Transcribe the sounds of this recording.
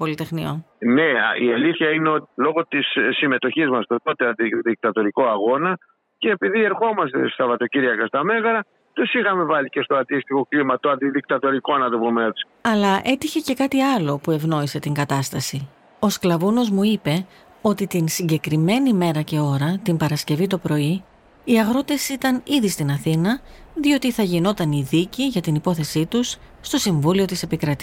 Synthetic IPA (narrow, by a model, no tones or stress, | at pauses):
po̞lit̪e̞xnio̞̰n | ne̞ieliθçɐineo̞t̪ilo̞ɣo̞t̪issːime̞t̪o̞çizmɐst̪ot̪ot̪eɐnd̪iðik̚t̪ɐt̪o̞ɾiko̞ɐɣo̞nɐ | ce̞ːpiðie̞ɾxo̞mɐst̪ḛst̪ɐvɐt̪o̞ciɾʝɐkɐst̪ɐme̞ɣɐɾɐ | t̪usixɐme̞vɐlice̞st̪o̞ɐnd̪ist̪ixo̞klimɐt̪oɐnd̪iðik̚t̪ɐt̪o̞ɾikoɐnɐd̪opometsi̥ɐlɐʔe̞t̪içe̞ce̞kɐt̪iɐlo̞pue̞vno̞ise̞t̪iŋɡɐt̪ɐst̪ɐsi | o̞sklɐvuno̞zmuipe̞ | o̞t̪it̪insiɲɟe̞kɾime̞nime̞ɾɐce̞o̞ɾɐt̪imbɐɾɐsce̞vit̪o̞pɾo̞i | iɐɣɾo̞t̪e̞sit̪ɐniðist̪inɐθinɐðio̞t̪iθɐʝino̞t̪ɐniðiciʝɐt̪inipo̞θe̞sit̪usː | t̪o̞siɱvulio̞t̪ise̞pikɾɐt̪i̥